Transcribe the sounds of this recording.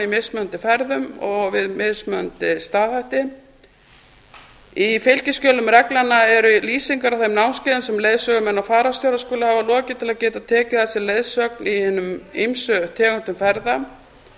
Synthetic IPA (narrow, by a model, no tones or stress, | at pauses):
imɪsmœnt̪ɪfɛɾðʏmɔɣvɪðmɪðsmœnt̪ɪst̪aːðhajht̪ɪ | ifɪlcɪskcœːlʏmɾɛklanːaɛɾʏliːsiŋkaɾawθemnawnscɪːðɪnsɛmlejðsœːɣʏmɛnːafaːɾast̪jowɾaskoːlahavalɔːcɪt̪ʰɪlaðcɛːt̪at̪ʰɛːcɪθasjɛlejðsœk̚nihɛnːʏmijmsœt̪ʰɛːkʏn̥t̪ʏmfɛɾða